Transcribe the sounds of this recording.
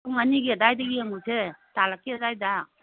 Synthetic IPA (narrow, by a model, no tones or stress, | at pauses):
uŋaniɡiadajdaɡiamusetalakːiadajda